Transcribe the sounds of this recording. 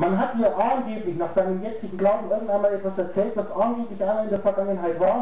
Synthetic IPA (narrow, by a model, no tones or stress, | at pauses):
manɦathiːɐʔaʊnɡeːplɪçnaːχz̥aɪnəmjɛt͡slɪɡŋ̩ɡlaʊbm̩ɪɐɡŋ̩tʔaɪnmaːlɛtv̥asɛɐt͡sɛːltvasʔanɡeːplɪçʔaɪnɪndeːɐfɛɐɡaŋənɦaɪtvaːɐ